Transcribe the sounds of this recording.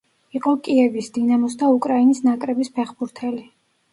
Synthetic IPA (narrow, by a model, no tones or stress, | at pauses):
iqʼɔkʼiɛvisd̪inamɔsd̪aukʼɾainisnakʼɾɛbispʰɛχbuɾt̪ʰɛli